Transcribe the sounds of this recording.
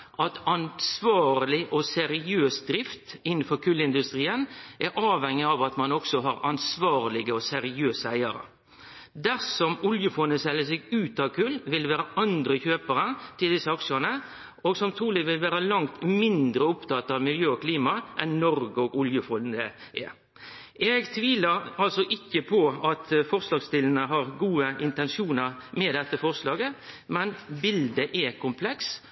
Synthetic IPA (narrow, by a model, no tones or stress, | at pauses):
ʔɑt̪ɑnsʋɑːɾlɪʔɔsɛɾɪøːsd̪ɾɪft̪ɪn̩ːfɔɾkʰʉlːɪnd̪ʉst̪ɾiːənʔɛɾʔɑːʋhɛŋːəɑʋɑt̪mɑnɔksɔɦɑɾɑnsʋɑːɾlɪɡəɔsɛɾɪøːsəæɪɑɾə̰ | d̪æɾsɔmʊljəfɔnəsɛlːəs̬ɛɡʉːt̪ɑʋkʰʉlːʋɪlʋæːɾəʔɑnd̪ɾəçøːpəɾət̪ʰɪld̪ɪsːəɑkʂənə | oɡsɔmt̪ʰɾuːlɪʋɪlʋæːɾəlɑŋt̪mɪnd̪ɾəʊpt̪ʰɑt̪ːɑʋmɪljøːɔkʰliːmɑʔɛnːɔɾɡəɔɡʊljəfɔnd̪əʔɛ̰ | ʔɛɡt̪ʰʋiːləɾɑlsɔʔɪkːəpʰɔɑt̪fɔɾslɑːɡst̪ɪlənəɦɑɾɡuːəʔɪnt̪ɛnʂuːnəʁmɛd̪ɛt̪ːəfɔʁslɑːɡəmɛnbɪld̪əʔɛkʰʊmpʰlɛks